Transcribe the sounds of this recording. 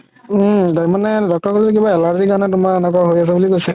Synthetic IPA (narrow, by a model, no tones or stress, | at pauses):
daɹimanɛdɔk̚tɔɹkaltɛk̬ibaɛlaɹzikaɹɔnɛtʊmaɛnɛkɔɦojas̬abulikojsɛ